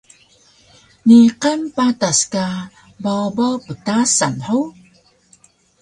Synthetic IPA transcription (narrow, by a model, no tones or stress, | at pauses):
niqampataska | bawbawpətasanħow